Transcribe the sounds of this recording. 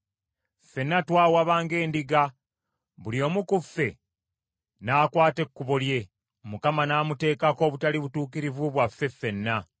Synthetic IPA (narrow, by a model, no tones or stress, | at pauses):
fe̞nːatwaːwaβaːŋɡe̞ːndiɡa | βuljo̞ːmukufːe̞ | naːkwaːte̞kːuβolje̞ | mukamanaːmute̞ːkako̞ːβutaliβutuːk̬iɾivuβwafːe̞fːe̞nːa